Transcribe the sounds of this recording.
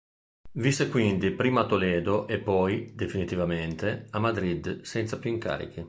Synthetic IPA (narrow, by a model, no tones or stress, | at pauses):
visekwind̪ipɾiːmat̪olɛːd̪oʔepːɔjd̪efinit̪ivament̪eamːad̪ɾid̪sɛnt̪sapjuiŋka̰ːɾḭk̟i